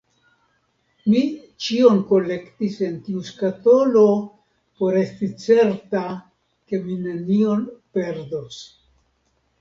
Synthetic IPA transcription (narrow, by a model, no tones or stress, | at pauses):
mi | t͡ʃio̞nko̞le̞ktise̞ntiuskato̞lo̞ | po̞ɾe̞stit͡se̞ɾta | ke̞mine̞nio̞npe̞ɾdo̞s